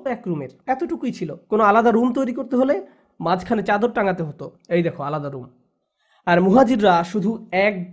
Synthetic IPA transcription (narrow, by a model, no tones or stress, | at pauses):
ɛkɾumeɾɛt̪oʈukijt͡ɕʰilokonoalad̪aɾumt̪ojɾikoɾt̪eɦole | mãd͡ʑʱkʰanet͡ɕad̪oɾʈaŋat̪eɦot̪o | ejd̪ekʰoalad̪aɾum | aɾmuɦad͡ʑiɾɾaʃud̪ʱuɛk̚